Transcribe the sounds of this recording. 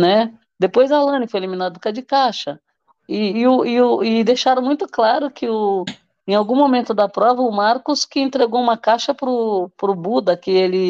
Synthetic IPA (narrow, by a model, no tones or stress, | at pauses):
nɛ | d̪epojzɐlɐ̃nɪfojeliminad̪ʊkɐd͡ʒɪkaʃɐ | ɪːʊɪʊɪd̪eʃaɾɐ̃w̃mũj̃t̪ʊklaɾʊkʰɪʊ | ẽj̃awɡũmomẽnt̪ʊd̪ɐpɾɔvɐʊmaɾkʊskɪẽnt̪ɾeɡowũmɐkaʃɐpɾʊpɾʊbud̪ɐkɪelɪ